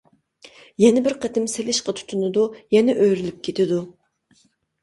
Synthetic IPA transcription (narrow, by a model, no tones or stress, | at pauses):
jɛnɪbɪɾqʰət̪ʰɪmselɪʃqɑt̪ʰu̥t̪ʰunɨd̪ujɛnɛʔøjɾylyp̚kʲʰet̪ʰɪd̪u